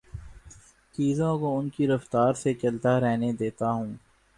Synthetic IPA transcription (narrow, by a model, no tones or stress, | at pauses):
t͡ʃiːzõkoʊnkiɾɐft̪aːɾset͡ʃɐlt̪aɾɛɦned̪eːt̪aɦũː